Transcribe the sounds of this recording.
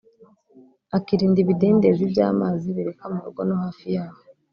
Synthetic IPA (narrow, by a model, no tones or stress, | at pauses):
akiɾiːndiβideːndezibɟa̰ːmaːziβiɾe̞kamuɾṵɡonohaːfijaːho